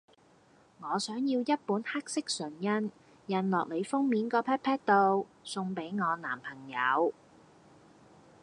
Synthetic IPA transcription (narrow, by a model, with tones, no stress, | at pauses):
ŋɔː˨˧sœː˨˥ŋjiː˧wjɐ˥t̚puː˨˥nhaː˥k̚sɪ˥k̚sɵ˨˩njɐ˥n | jɐ˨nlɔː˨k̚le˨˧jfʊ˥ŋmiː˨˥nkɔː˧pʰɛː˥t̚pʰɛː˥t̚t̪o˧wsʊ˧ŋpe˨˥jŋɔː˨˧naː˨˩mpʰɐ˨˩ŋjɐ˨˧w